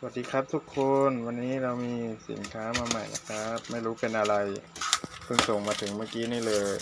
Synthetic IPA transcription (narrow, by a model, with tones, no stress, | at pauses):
sa˧wa˨˩t̪̚diː˧kʰɾa˦˥p̚t̪ʰu˦˥kʰːo˧nwa˧nːiː˦˥ɾa˧wmiː˧sḭ˨˩˦nkʰaː˦˥maː˧maː˨˩jla̰˦˥kʰa˦˥p̚ma˥˩jɾuː˦˥pe˧nʔa˧ɾa˧j | pʰɯ˧˩ŋso˨˩ŋmaː˧t̪ʰɯ˩˦ŋmaː˥˩kiː˦˥niː˥˩lɤː˧j